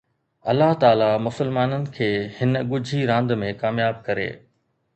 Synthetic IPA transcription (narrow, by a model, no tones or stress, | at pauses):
ɐlːaɦt̪aːlamʊsɪlmaːnənɪ̆kʰeːhɪnə̆ɠʊd͡ʑʱiɾãːnd̪mẽkaːmjaːb̚kɐɾḛː